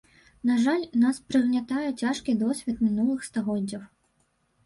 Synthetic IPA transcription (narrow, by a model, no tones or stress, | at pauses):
naʐalʲnaspɾɨɣnʲat̪ajɛt͡sʲaʂkʲid̪ɔsʲvʲɛt̪mʲinulˠɨxst̪aɣɔdd͡zʲːɐw